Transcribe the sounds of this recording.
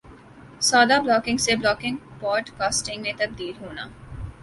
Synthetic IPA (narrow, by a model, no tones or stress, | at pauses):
saːd̪aːblɔːkɪ̃ŋɡseːblɔːkɪ̃ŋɡpɔːɾʈkaːsʈɪ̃ŋɡnẽt̪ɐb̚d̪iːlɦuːna̰ː